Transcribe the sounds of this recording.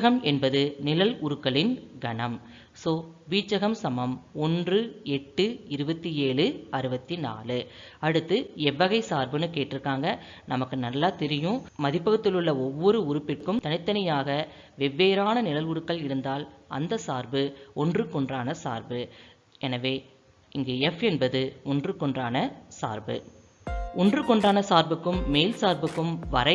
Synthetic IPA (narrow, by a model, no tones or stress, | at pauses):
ɐɣɐmɛnbɐðɯnɪlɐlʊɾɯkːɐɭɪnɡɐɳɐm | soːʋiːt͡ʃːɐɣɐmsɐmɐmɔndrɯɛʈːɯɪɾɯbɐt̪ːieːɭɯɐɾɯbɐt̪ːina̰ːlɯɐɽɯt̪ːɯɛʋːɐɣɐɪsaːɾbɯnɯkeːʈːɪɾɯkːaːŋɡɐ | nɐmɐkːɯnɐlːaːt̪ɪɾɪjʊ̃mɐðɪpːɐɣɐt̪ːɪlɯɭːɐɔʋːɔɾɯʊɾʊpːɪkːɯmt̪ɐnɪt̪ːɐnɐjaːɣɐ | ʋɛʋːeːɾaːnɐnɪlɐlʊɽɯkːɐɭɪɽɯnd̪aːlɐ̰nd̪ɐsaːɾbɯɔndrɯkɔɳdraːnɐsa̰ːɾbɯ | ɛnɐʋeː | ɪŋɡeːɛfɛnbɐðɯɔndrɯkːɔɳdraːnɐsa̰ːɾbɯ̰ | ɔndrɯkːɔɳdraːnɐsaːɾbɯkːɯmːeːlsaːɾbɯkːɯmʋɐɾɐɪ